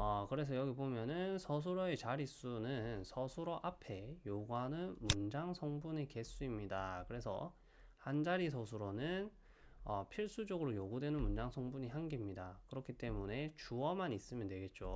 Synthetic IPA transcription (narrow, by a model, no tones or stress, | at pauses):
ʌkɯɾe̞s̬ʰʌjʌɡibomjʌnɯnsʰʌsʰuɾoe̞t͡ɕaɾis͈unɯnnsʰʌsʰuɾoʔapʰe̞joɡuɦanɯnmund͡ʑaŋsʰʌŋbuɲeke̞s͈uimɲidakɯɾe̞sʰʌ̰ | hand͡ʑaɾisʰʌs̬ʰuɾonɯn | ʌpʰiɭs͈ud͡ʑʌɡɯɾojoɡudwe̞nɯnmund͡ʑaŋsʰʌŋbuɲiɦanɡemɲidakɯɾʌkʰit͈e̞mune̞t͡ɕuʌmanis͈ɯmjʌndwe̞ɡe̞t̚t͡ɕ͈o